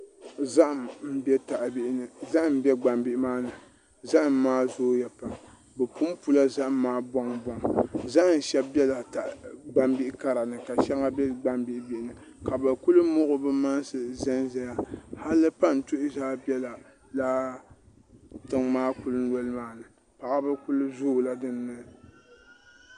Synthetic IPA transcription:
za˦ʔa˨mm̩˦bɛ˦ta˨ʔbi˦ʔɪ˦nɨ˨za˦ʔm˦bɛ˦ɡ͡ba˨mbi˦ʔɪ˦maː˦nɨ˨ | za˦ʔa˨mːaː˦zoː˦ja˨pa˨m | bɛ˨pu˦m˦pu˦la˦za˦ʔa˨mːaː˦bɔ˦ŋbɔ˨ŋza˦ʔn˨ʃɛ˦b̚bɛ˦la˨ta˨ʔɡ͡ba˨mbi˦ʔɪ˦ka˦ɾa˨nɨ˨ka˨ʃɛ˦ŋa˦bɛ˦ɡ͡ba˦mbi˦ʔɪ˦bi˦ʔɪ˦nɨ˨ | ka˨bɨ˨kʊ˦lɨ˦mʊ˦ʔʊ˦bɨ˦ma˦nsɨ˨zɛ˦nza˦ja˦ha˦lɨ˦pa˦n̩˨tʊ˦ʔɪ˦zaː˦bɛ˦la˨ | la˦ | tɨ˨ŋmaː˦kʊ˦lɨ˦n̩˦wɔ˦lɨ˦maː˦nɨ˨ | pa˨ʔa˦bɨ˦kʊ˦lɨ˦zʊː˦˨la˦dɨ˦nːɨ˦

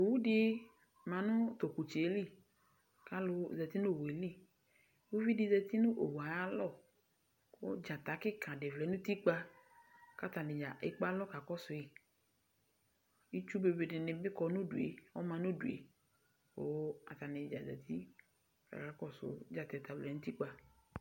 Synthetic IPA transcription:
o˨wu˦ɖɪ˦ | mã˨nʊ̃˦t̪o˨ku˨t͡ʃe˨˦li˦˨ | ka˦lʊ˦zɛ˨t̪i˦nʊ̃˦˨we˨li˦˨ | wo˦vi˦di˨zɛ˨t̪i˦nʊ̃˦ʔo̰˨wa˨ja˦lɔ˦˨˦ | o̰˦d͡ʒa˨t̪a˨˦kɪ˦kã˨ɖe˨vlɛ˨˦nũ˦t̪i˦k͡pa˦ | ka˦t̪a˨nɪ˨d͡ʒa˨ʔḛ˦k͡pa˦lɔ˦ka˨kɔ˦sʊ˨i˨ | i˦t͡ʃu˦be˨be˨ɖɪ˨nɪ̃˨bɪ˦kɔ˨nʊ̃˦ɖu˨ḛ˨wɔ̰˦mã˨nʊ̃˦du˨ḛ˨ | o˨˦a̰˨t̪a˨nɪ˨d͡ʒa̰˨zɛ̰˨t̪ʰi˦ | ka̰˨ka˨˦kɔ˦sʊ̰˨d͡ʒa˨t̪ɛ˨t̪a˨vlɛ˨˦nʊ̃˦t̪i˦k͡pa˨

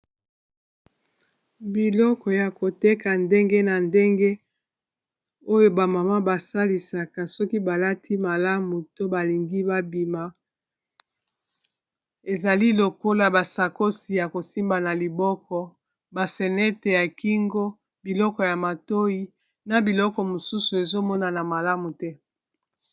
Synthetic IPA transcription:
bi˨lɔ˦kɔ˨ja˨ko˨te˦ka˨nde˦ŋɡe˦na˨nde˦ŋɡe˦ | o˦jo˦ba˨ma˨ma˦ba˨sa˦li˨sa˨ka˨sɔ˦ki˦ba˨la˦tʰi˦ma˨la˦mu˨to˦ba˨li˨ŋɡi˦ba˦bi˨ma˨ | e˨za˨li˦lo˨ko˦la˨ba˨sa˨ko˦si˨ja˨ko˨si˦mba˨na˨li˨bɔ˦kɔ˨ | ba˨se˨nɛ˦te˨ja˨ki˦ŋɡo˦ | bi˨lɔ˦kɔ˨ja˨ma˨to˦ji˦ | na˨bi˨lɔ˦kɔ˨mo˨su˦su˨e˨zo˦mɔ˦na˨na˨ma˨la˦mu˨tɛ˦

